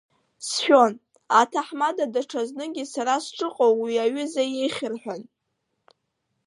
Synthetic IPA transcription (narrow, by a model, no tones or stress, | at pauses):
sħᶣo̞n | atʰaħmadadaʈ͡ʂʰaznɨɡʲisaɾasʈ͡ʂʼɨqʼowwiaɥʏzajejχʲɪrħʷᶣan